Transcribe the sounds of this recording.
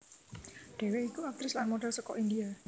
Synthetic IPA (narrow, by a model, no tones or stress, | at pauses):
ɖ̥e̤weikuak̚t̪ɾɪslanmoɖɛlsɔkɔ̰ʔindia